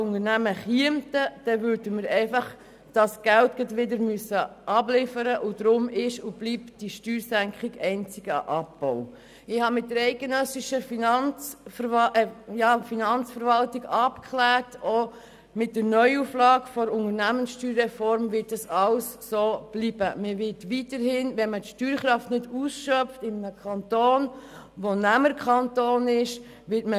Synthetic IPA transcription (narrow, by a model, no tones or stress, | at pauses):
ʊŋənæməχiəmtəd̥ɛvʏɾdəməɾɛɪfɑχ | d̥ɑsɡ̥æltɡ̥edʋɪdəɾmyəsːəʔɑblɪfəɾəʔʊd̥ɾʊmɪʃʊb̥liːpd̥iʃtyːɾsæŋkχɪɡɛɪnt͡sɪɡ̥əɑ̰ʔɑpb̥ɔʊ | ɪhɑmɪtdəɾɛɪɡenœsɪʃəfinɑnt͡sf | jɑfinɑnt͡sfəɾvɑltiɡɑpkʰχlæːɾtɔ | mɪt̚dəɾnœʏuflɑːɡfɔɾʊŋəɾnæmənsʃtyːɾːɛfɔɾmvɪt̚dɑsɑwssoːb̥liːb̥əməʋɪtʋitəɾhɪnʋɛnmətʃtyːɾχɾɑftnɪdusʃœftɪmənəkʰɑnt̪oːn | ʋonæməɾkʰχɑntoːnɪʃ | ʋɪtmə